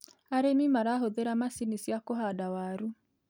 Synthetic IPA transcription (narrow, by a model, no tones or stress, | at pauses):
aɾemimaɾaɦoðeɾamasinisjakoɦadawaɾu